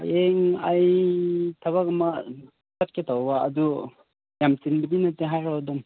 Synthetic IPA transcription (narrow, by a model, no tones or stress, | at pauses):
eŋaj | t̪ʰɐβakɐma | sat̚kʰet̪ʰawbaːdu | jamsinbidinateɦajɾawdɔm